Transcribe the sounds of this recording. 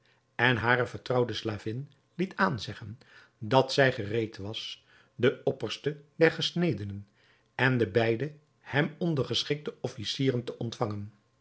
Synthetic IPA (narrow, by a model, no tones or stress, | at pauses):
ɛnɦaːɾəvəɹtrɑwdəslaːvɪn | litʰaːnzɛχən | dɑtsɛjχərejtʋɑs | dəɔpəɹstədɛɹχəsnejdənən | ɛndəbɛjdə | hɛmɔndərχəsχɪk̚təɔfisiːrəntəʔɔntfɑŋən